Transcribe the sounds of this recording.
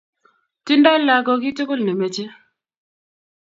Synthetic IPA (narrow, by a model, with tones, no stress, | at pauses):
ti˦ndɔ˦la˨ɡɔ˨ki˦tʊ˦kʊ˦lne˨me˨t͡ʃe˦